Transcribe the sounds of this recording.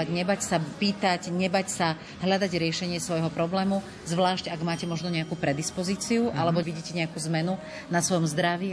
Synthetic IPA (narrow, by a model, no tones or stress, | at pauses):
aɟɲɛbacsapiːt̪acɲɛbacsa | ɦʎad̪aɟɾɪɛʃɛɲɪɛsʋɔjɦɔpɾɔblɛːmu | zʋlaːʃcaɡmaːcɛmɔʒnɔɲɛakuːpɾɛd̪ispɔziːt͡siuʔalɛbɔʋiɟiːcɛɲɛakuːzmɛnu | nasʋɔjɔmzd̪ɾaʋiː